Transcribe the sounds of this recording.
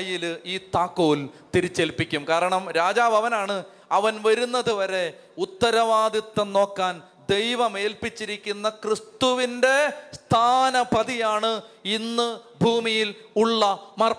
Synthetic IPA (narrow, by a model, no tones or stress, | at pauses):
jiliːt̪aːkːoːlt̪iɾit͡ɕːelpːikʲːumkaːɾɐɳɐmɾaːd͡ʑaːʋɐʋɐnaːɳɨ | ɐʋɐnʋɐɾunːɐðuʋɐɾe̞ | ut̪ːɐɾɐʋaːd̪it̪ːɐno̞ːkːaːn | d̪e̞jʋɐme̞ːlpit͡ɕːiɾikʲːunːɐkrist̪uʋinde̞st̪ʰaːnɐpɐðijaːɳɨinːɨbʱuːmijiluɭːɐmɐr